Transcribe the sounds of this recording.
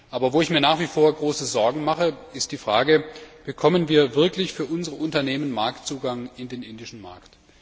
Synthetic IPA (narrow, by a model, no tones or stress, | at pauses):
ʔaːbɐvoːɪçmiːɐnaːχv̥iːfoːɐɡʁoːsəzɔɐɡŋ̩maχəɪst̚d̥iːfʁ̥aːɡəb̥əkʰɔmənviːɐvɪɐklɪçfyːɐʔʊnzəʁəʔʊntɐneːmənmaɐktt͡suːɡaŋɪndeːnʔɪndɪʃn̩ma̰ɐkt